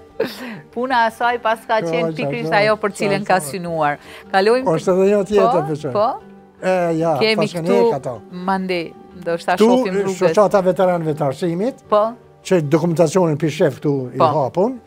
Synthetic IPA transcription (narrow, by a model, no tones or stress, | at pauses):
punaːsajpaskaɛpiakɾisajɔpəɾt͡silənkasynuaɾkalɔjmɔʃt̪ɛðɛɲɔt̪jɛt̪əɾfɛʃɔpɔ | ɛjakɛmpaiʃkant̪ukat̪ɔmand̪i | nd̪ɔʃt̪at̪uimuʃɔt͡ʃat̪avɛt̪ɛɾanvɛt̪əaɾsimit̪pɔ | t͡ʃəd̪ɔkumɛnt̪at͡siɔninpiʃɛfkt̪uiɦapun